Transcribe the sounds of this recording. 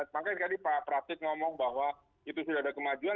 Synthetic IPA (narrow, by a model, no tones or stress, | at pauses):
makajkadipapɾak̚t̪ɪk̚ŋɔmɔŋbaɦwa | it̪usudahadakəmad͡ʒua